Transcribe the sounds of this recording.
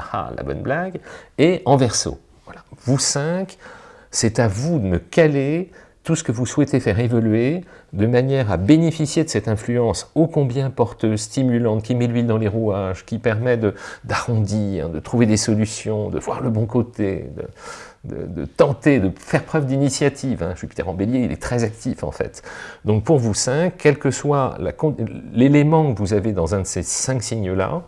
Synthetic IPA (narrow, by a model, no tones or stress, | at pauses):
ha̰la̰bɔ̰nblaɡeɑ̃vɛʁso̰ | vwalavusɛ̃k | sɛt̪avud̪əməkale | t̪usə̥kəvuswɛt̪efɛʁevɔlɥed̪əmanjɛʁa̰benefisjed̪əsɛt̪ɛ̃flyɑ̃sokɔ̃bjɛ̃pɔʁt̪øzst̪imylɑ̃t̪̚kʲimelɥild̪ɑ̃leʁuaʒkʲipɛʁmɛd̪əd̪aʁɔ̃d̪iʁd̪ət̪χuved̪esɔlysjɔ̃d̪ə̰vwa̰ʁləbɔ̃kot̪ḛd̪ə̰ | d̪ə̰d̪ə̰t̪ɑ̃t̪ed̪əfɛʁpχœvd̪inisjat̪ʰivɛ̰̃ʒypit̪ɛʁɑ̃beljeilɛ̰t̪χɛzak̚t̪ifɑ̰̃fɛ̰t̪d̪ɔ̃k̚puʁvusɛ̃kkːɛlkəswa̰la̰kɔ̃lelemɑ̃kəvuzaved̪ɑ̃zɛ̃d̪əsesɛ̃ksiɲəla̰